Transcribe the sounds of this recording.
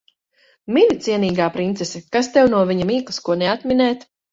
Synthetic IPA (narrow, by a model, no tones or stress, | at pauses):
minʲit̪siɛniːɡaːpɾint̪sɛsɛkast̪ɛwnuɔvʲiɲamiːklˠskuɔnɛat̪minɛːt̪